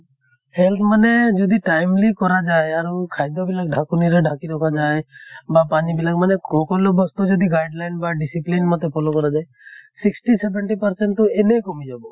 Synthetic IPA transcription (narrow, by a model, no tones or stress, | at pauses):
helt̪ʰmaned͡ʒɔd̪ʱiʈajmlikɔɾad͡ʒaeaɾukʰajd̪ɔbilakɖʱakuniɾeɖʱakiɾɔkʰad͡ʒaebapanibilakmanekɔkɔlɔbɔst̪ud͡ʒɔd̪iɡajɖlajnbaɖisiplinmɔt̪epʰolokɔɾad͡ʒae | siksʈisebeɳʈipəɾseɳʈt̪uenejkɔmid͡ʒabɔ